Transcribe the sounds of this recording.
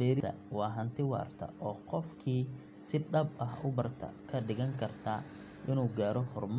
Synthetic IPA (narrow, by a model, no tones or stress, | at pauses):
ɛːɾɪɐ̰ | wɑːɦɐnt̪ʰɪwɑ̰ːrt̪ʰɐ̰ʔɔːqɔfkʰiː | sɪɖɐbɐɦʊbɐrt̪ʰɐ̰kʰɐɖɪɣɐŋkʰɐrt̪ʰaː | ʔɪnuːɡaːɾɔhɔrm